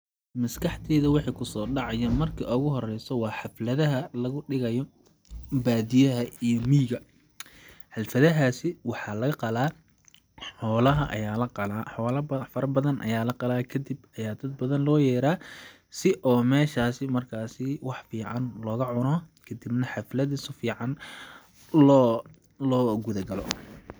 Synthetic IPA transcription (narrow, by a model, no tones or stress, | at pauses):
mɐskʰɑħt̪ʰɛːðɐwɑħɑkʰʊsɔːɖɑʕɑjɐmɐrkʰɐʔʊɣʊɦɔrɛjsɔwɑːħɑflɐðɐɦɐlɐɣʊɖɪɣɐjɔ | baːd̪ɪjɐɦɐijɔmiːɣɐ | ħɐlfɐðɐɦaːsɪwɑħɑlɐɣɐqɑlaː | ħɔːlɐɦɐʔɐ̰jaːlɐqɑlaːħɔːlɐfɐɾɐbɐðɐnʔɐ̰jaːlɐqɑlaːkʰɐd̪ɪbɐjaːd̪ɐd̪̚bɐðɐnlɔːjɛːɾaː | sɪʔɔːmɛːʃaːsɪmɐrkʰaːsɪwɑħfiːʕɑnlɔːɣɐʕʊnɔːkʰɐd̪ibnɐħɑflɐðisʊfiːʕɑn | lɔː | lɔːɡʊðɐɡɐlɔ̰